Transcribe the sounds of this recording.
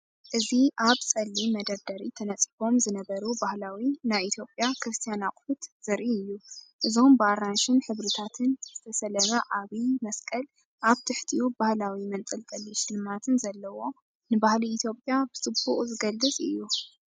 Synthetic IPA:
ʔɨziʔaβt͡sʼɐlːimɐd̪ɐɾd̪ɐɾit̪ʰɐnɐt͡sʼifo̞mzɨnɐβɐɾubahlawinaβʔit̪ʰjo̞pʼjakʰɾɨst̪ʰijanakʼħut̪z̥ɨɾʔiɨjːuʔɨzombaɾanʃɨnħɨβɾit̪ʰat̪ʰɨnzɨt̪ʰɐsɐlɐmɐʔaβimɐskʼɐl | ʔaβt̪ʰɨħt̪ʰijubahlawimɐnt̪ʼɨlt̪ʼɐlːiʃɪlmat̪ʰɨnzɐlːɐwo̞ | nɨbahliːt̪ʰjo̞pʼjabɨsʼɨbuχʼzɨɡɐlːɨt͡sʼɨjːu

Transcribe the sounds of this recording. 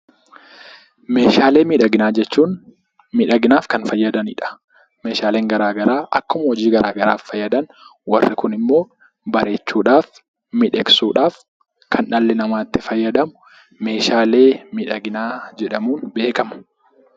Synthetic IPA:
me̞ːʃaːle̞ːmiːᶑɐɡɪnaːd͡ʒɛt͡ʃːuːn | mɪᶑɐɡɪnaːfkɐnfɐjːɐd̪ɐnɪ̰ᶑɐ̥ | me̞ːʃaːle̞ːŋɡɐɾaːɡɐɾaːʔɐkːʊmɐhɔd͡ʒiːɡɐɾaːɡɐɾaːfːɐjːɐd̪ɐn | wɐrːɪkʊnɪmːo̞ː | bɐɾe̞ːt͡ʃːuːᶑaːf | mɪᶑɛksuːᶑaːf | kʰɐnʔɐlːɪnɐmaːt̪ːɪfɐjːɐd̪ɐmʊ̥ | me̞ːʃaːle̞ːmɪᶑɐɡɪnaːd͡ʒɛᶑɐmuːnbe̞ːkɐmʊ̥

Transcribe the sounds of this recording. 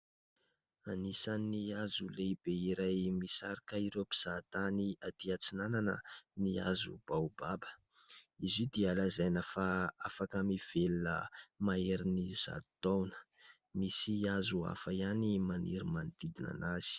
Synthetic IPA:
anisaniazuleibeiɾajmisaɾikəiɾepi̥z̥at̪aniad̪iat͡sinananə̰nia̰zṵb̥awub̥abə̥ | izid̪ialazajnafaafakəmiv̥elunə̰maeɾiniz̥a̰t̪awnə̥ | misiazua̰faianimanḭɾimand̪̥id̪ina̰naz̥i̥

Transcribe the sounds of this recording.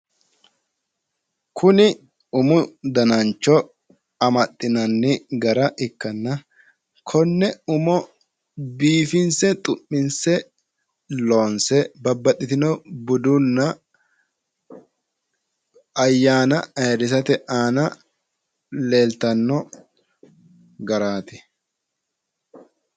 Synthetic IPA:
kʰʊnɪ | ʊmʊd̪ɐnɐnt͡ʃːɔ | ɐmɐt̪ʼːɪnɐnːɪɡɐɾɐʔɪkːɐnːɐ | kʰɔnːɛʊmɔ | biːfɪnsɛt̪ʼʊʔːɪnsɛ | loːnsɛbɐbːɐt̪ʼːɪt̪ɪnɔbʊd̪ʊnːɐ | ɐjːaːnɐɐjɐdɪs̬ɐt̪ɛʔaːnɐ | le̞ːlt̪ɐnːɔ | ɡɐɾaːt̪ɪ

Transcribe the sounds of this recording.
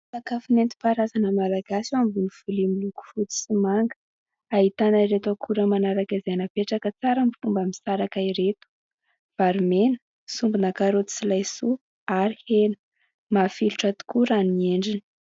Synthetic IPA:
sakafinent̪i̥paɾazanəmalaɡasiambuniv̥ulimiluku̥fut̪i̥simaŋɡə̥ | aɦit̪anaiɾet̪akʰuɾəmanaɾaɡazanəpeʈ͡ʂakət͡saɾəmifumbamisaɾakaiɾet̪u̥ | v̥aɾimenə̥ | sumbunakaɾot̪i̥t͡silajsu | aɾihenə̥ | mafiluʈ͡ʂat̪u̥kuɾaneɳɖ͡ʐini̥

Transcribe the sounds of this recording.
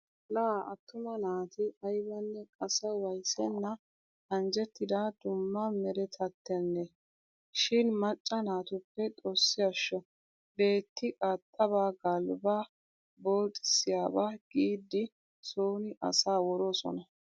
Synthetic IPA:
laːʔɐt̪ːʊmɐnaːt̪ɪɐjbɐnːɛkʼɐsɐwɐjsɛnːɐ | ɐnd͡ʒɛt̪ːɪd̪ad̪̥ʊmːɐmɛɾɛt̪ʰɐt̪ːɛnːɛ | ʃɪnmɐt͡ʃʼːɐnaːt̪ʊpːɛt̪ʼɔsːɪjɐʃːɔ | be̞ːt̪ːɪʔʼɐt̪ʼːɐβaːɡɐlba | bo̞ːt̪ʼːɪ̥sɪjaːbaɡ̥iːd̪ːɪ | soːnɪʔɐ̰saːwɔɾosɔ̰nɐ

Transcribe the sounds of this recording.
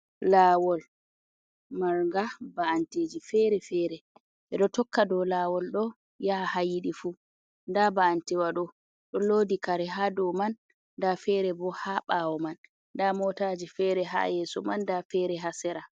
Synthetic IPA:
laːwɔl | maɾŋɡabaanteːd͡ʒifɛɾɛfɛɾɛ | ʔɛɗɔtɔkːadɔlawɔlɗɔ | jahajiɗifu | ndabaantɛwaɗɔ | ɗɔlodikaɾɛɦadɔmanː | dafɛɾɛbɔhaɓawɔmanː | damɔtad͡ʒifɛɾɛɦa̰jɛːsɔmandafɛɾɛɦasɛɾa

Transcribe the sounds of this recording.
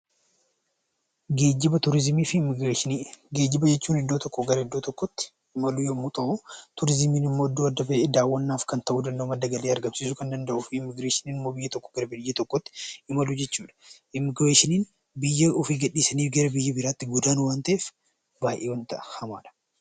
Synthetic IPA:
eːd͡ʒɪbɐt̪ʊɾɪzmiːfɪɡeɡeːd͡ʒɪbɐd͡ʒɛt͡ʃːuːnɪd̪ːo̞ːt̪ɔkːɔɡɐɾɐɪd̪ːoːt̪ɔkːɔt̪ːɪ̥ | ɪmɐlujɔmut̪ɐʔʊt̪ʊɾɪzɪmiːnɪmːoːɪd̪ːoːɐd̪ːɐbeʔɛd̪aːwːɐnːaːfkɐnt̪ɐʔuːd̪ɐnd̪oːmɐd̪ːɐɡɐleːɐɾɡɐmsiːsʊkɐnd̪ɐnd̪ɐʔʊfɪmːɪɡɾeːʃɪniːnɪmːo̞ːbɪjːɐt̪ɔkːɔ̥ɡɐɾɐbɪjːɐt̪ɔkːɔt̪ːɪ̥ɪmɐlʊd͡ʒɛt͡ʃːuːᶑɐ̥ʔɪmːɪɡɾeːʃɪniːn | bɪjːɐɔfiːɡɐᶑːiːsɐniːfɡɐɾɐbɪjːɐbɪɾaːt̪ːɪɡʊd̪aːnʊwaːnt̪ɐʔeːf | baːjʔeːwɐnt̪ɐʔɐ̥hɐmaːᶑɐ̥

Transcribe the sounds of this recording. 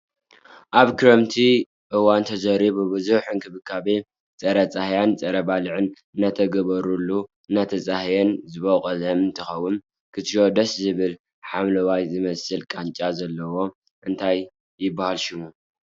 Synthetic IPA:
ʔaβkʰɨɾɐmt̪ʰi | ʔɨwant̪ʰɐzɐɾiβubɨzuħɨnkʰɨβɨkʰːaβe | t͡sʼɐɾɐt͡sʼahjant͡sʼɐɾɐbalɨʕɨn | ɨnːat̪ʰɐɡɐβɐɾulːu | ɨnːat̪ʰɐt͡sʼahjenzɨβokʼɐzɐmɨnt̪ʰɨxɐwːɨn | kʰɨt̪ʃod̪ɐszɨβɨl | ħamlɐwajzɨmɐsɨlkʼant͡ʃʼazɐlːɐwo̞ | ʔɨnt̪ʰajː | ɪbːahalʃɪmu

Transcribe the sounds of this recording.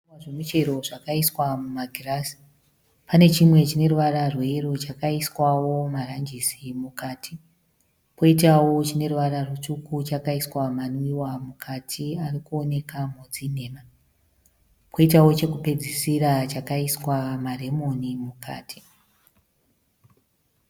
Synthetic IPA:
aʐemut͡ʃe̞ɾo̞ʐakaiswamumaɡʱiraːsi̥ | pane̞t͡ʃimwe̞t͡ʃine̞ruʋararwerot͡ʃakaiswawo̞marand͡ʒisimukaːtʰi | pʰo̞it̬awo̞t͡ʃine̞ruʋaɾarut͡ʂukut͡ʃakaiswamanwiwamukʰatʰiarikuo̞ne̞kamod͡zin̤e̞ːma | pʰo̞itawo̞t͡ʃe̞kupe̞d͡zisiɾat͡ʃakaiswamare̞mo̞nimuka̰ːtʰi̥

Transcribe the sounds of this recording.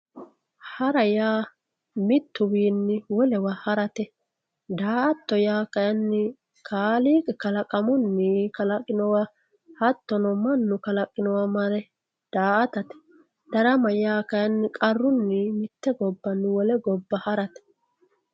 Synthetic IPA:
hɐɾɐjaː | mɪt̪ːʊwiːnːɪwɔlɛwahɐɾɐt̪ɛ | d̪aːʔɐt̪ːɔjaːkɐjɐnːɪ | kʰaːliːkʼɛkɐlɐkʼɐmɔnːɪkɐlɐkʼːɪnɔwa | hɐt̪ːɔnɔmɐnːʊkɐlɐkʼːɪnɔwɐmɐɾɛ | d̪̥aːʔɐt̪ɐt̪ɛ̥ | d̪̥ɐɾɐmɐjaːkɐjɐnːɪkʼɐrːʊnːɪmɪt̪ːɛɡɔbːɐnːwɔlɛɡɔbːɐhɐɾɐt̪ɛ̥

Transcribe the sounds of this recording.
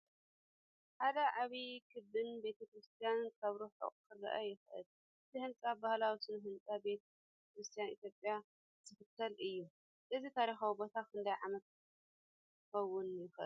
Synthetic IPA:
ħad̪ɐʕaβikʰɨbːɨnbe̞t̪ʰɐkɾɨst̪ʰijankʰaβɾuħo̰qʼkʰɨɾɐ̰ʔɐjɪxʔɨ̰l | ʔɨt̪ʰihɨnt͡sʼabahlawisɨnɦɨnt͡sʼabe̞t̪ | kɾɨst̪ʰijanḭt̪jo̞pʼja | z̥ɨfɨt̪ʰːɐlʔɨjːu | ʔɨzit̪ʰaɾixawibo̞t̪ʰakʰɨnd̪ajʕamɐt̪̚ | kɐwːʊnjɪxʔɨ̰l

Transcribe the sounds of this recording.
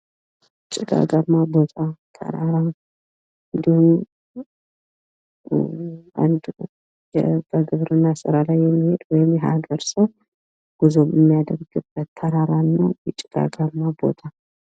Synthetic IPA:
t͡ʃʼːɪɡa̰ɡamːabo̞t̪ʰat̪ʰə̰ɾaɾa | ɨnd̪ihum | a̰nd̪ | jɛbəɡɨβɾɨnːasɨɾalajːɛmːihed̪wɔjɪmjɛɦa̰ɡəɾsəw | ɡ̥ɨzomɨmːijad̪əɾɡɨbːət̪ʰːəɾaɾanːəwjɛt͡ʃʼɪɡ̥a̰ɡamːabo̞̰t̪ʰa

